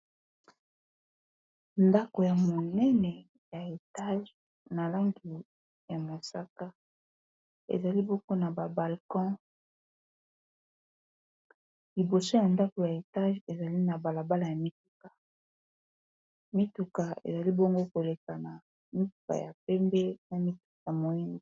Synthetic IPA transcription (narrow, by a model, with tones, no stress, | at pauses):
nda˦ko˨ja˨mo˨nɛ˦nɛ˨ | ja˨e˨ta˦ʒ | na˨la˦ŋɡi˨ | ja˨ma˨sa˦ka˦ | ḛ˨za˨li˦bo˦ko˦na˨ba˨ba˨lkɔ̃˦ | li˨bo˨so˦ja˨nda˦ko˨ja˨e˨ta˦ʒe˨za˨li˦na˨ba˨la˨ba˦la˨ja˨mi˦tu˨ka˨ | mi˦tu˨ka˨ḛ˨za˨li˦bo˦ŋɡo˦ko˨le˨ka˨na˨ | mi˦tu˨ka̰˨ja̰˨p̚ɛ˦mbɛ˦na˨mi˦tu̥˨k̚a˨mo˨ɛ˦ni˦